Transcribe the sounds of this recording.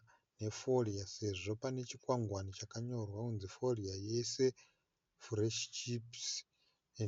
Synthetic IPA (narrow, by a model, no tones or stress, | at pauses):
ne̞fo̞riase̞ʐo̞pane̞t͡ʃikwaŋɡwanit͡ʃakaɲo̞rwaunzifo̞riaje̞se̞ | fureʃt͡ʃips